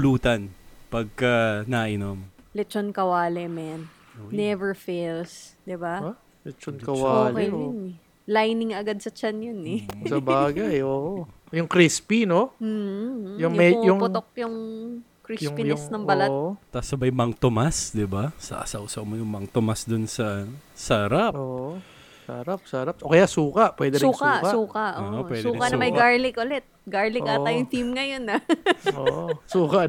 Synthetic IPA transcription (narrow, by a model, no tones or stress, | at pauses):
luːt̪ɐnpɐɡ̚kɐnaʔɪnomlɛt͡ʃonkɐwaːlɛmɛn | nɛvɛɹfelsd̪ɪba | lɛt͡ʃonkɐwaolkejʊnɛ | lajnɪŋɐɡad̪̚sɐt͡ʃanjʊnɛsɐbaːɡɐjʔoːʔo | jʊŋkɾispinom̩ːjʊŋmɛjʊŋpʊt̪ok̚jʊŋ | kɾijʊŋpjʊsnɐŋbɐlat̪asɐbɐjmɐŋt̪omasd̪ɪbasɐ̰ʔɐ̰sɐ̰ʔusɐwmojʊŋmɐŋt̪omasd̪ʊnsɐsɐɾapʔoːʔʔo | sɐ̰ɾap̚sɐɾap̚ʔokɐjasuːkɐʔpwɛd̪ɛɾuːkɐːkɐsuːkɐʔoowɛd̪ːkɐnɐmɐjɡaɹlɪkʔʊlɛt̪̚ɡɐɹlɪaɐjʊŋθimŋɐjonɐʔoʔosuːkɐ